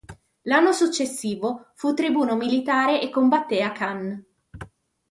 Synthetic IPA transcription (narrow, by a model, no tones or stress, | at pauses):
lanːosut͡ʃːesːiːvofut̪ːɾibuːnomilit̪aːɾeʔekːombat̪ːeakːan